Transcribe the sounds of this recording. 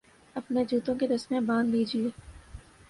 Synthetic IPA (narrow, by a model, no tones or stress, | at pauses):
ɐpned͡ʒuːt̪õked̪ɐsmẽbãːnd̪biːd͡ʒieː